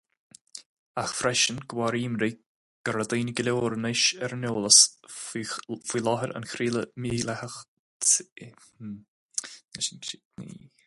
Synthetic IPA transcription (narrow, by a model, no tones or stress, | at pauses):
axfɾɛʃənɡ̥waɾiːmɾiː | ɡ̥əɾad̪iːnəɡɪlʲoːɾənɪʃɛɾənoːləs | fiːlɔɦəɾə̰nxɾiːləmiːlahəx | nɪʃnʃɪnḭ